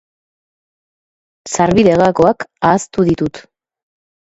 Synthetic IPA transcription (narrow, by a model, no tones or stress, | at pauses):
saɾβiðe̞ɣako̞akaːst̪uðit̪ut̪